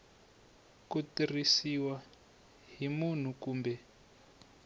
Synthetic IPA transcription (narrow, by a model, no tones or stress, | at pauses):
kutirisiwa | ɦimun̤ukuːmbɛ